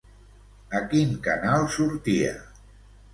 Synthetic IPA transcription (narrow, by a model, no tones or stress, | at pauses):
əkiŋkanalˠsuɾt̪iə̰